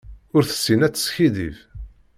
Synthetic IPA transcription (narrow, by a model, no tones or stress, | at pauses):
ʊɾθə̥sːinæt͡sːə̥sçiðḭv